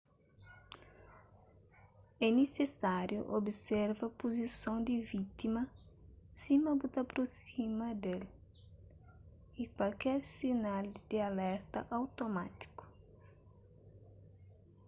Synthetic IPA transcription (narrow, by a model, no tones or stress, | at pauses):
ɛnesesaɾjʊ̰ʔobisɛɾvɐpozisõwd̪ɪvit̪imɐsimɐbut̪apɾosimɐd̪el | ikwalkɛɾsinald̪̥ɪalɛɾt̪ɐ̰ʔawt̪omat̪i̥kʊ̥